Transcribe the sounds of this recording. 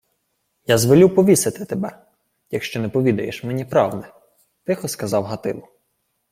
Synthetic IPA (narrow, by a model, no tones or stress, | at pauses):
jazʋɔlʲupɔʋʲiset̪ɪt̪ebɛ | jɐkʃt͡ʃɔnɛpɔʋʲid̪ɐjeʃmenʲipɾɑwd̪ɛ | t̪ɪxɔskɐzɑwɦɐt̪ɪ̰lˠʊ